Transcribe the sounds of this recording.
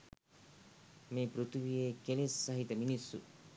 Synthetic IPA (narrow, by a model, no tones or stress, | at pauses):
meːpɾut̪uʋijeːkelesːɐɦit̪əminisːṵ